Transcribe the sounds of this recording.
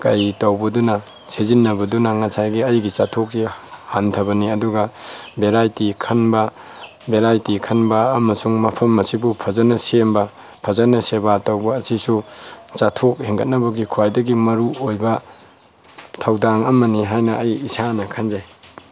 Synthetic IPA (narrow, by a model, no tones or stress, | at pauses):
kɐjtɐwbɐdunɐ | sezinːɐbɐdunɐŋɐsʰajɡiɐjɡit͡ʃatʰok̚sihantʰɐbɐniɐduɡɐbeɾajtikʰɐnbɐ | beɾajtikʰɐnbɐːmɐsuŋmɐpʰɐmːɐsibupʰɐzɐnːɐsembɐ | pʰɐzɐnːɐsebatɐwbɐːsisut͡ʃatʰok̚heŋɡɐt̚nɐbɐɡikʰuwajdɐɡimɐɾuojbɐ | tʰawdaŋɐmɐniɦajnɐʔɐjisanɐkʰanzaj